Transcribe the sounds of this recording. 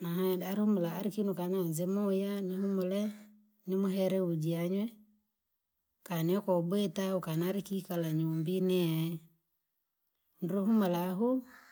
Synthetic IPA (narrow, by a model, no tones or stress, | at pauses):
naɦadaɾihumulaːɾikinukananzɛmɔjanihumʊlɛ | nɪmʊɦɛɾɛud͡ʒiaɲwɛ | kanɛkɔbwetaukanaɾikikalaɲumbinɛɛ | ndɾuɦumulaɦu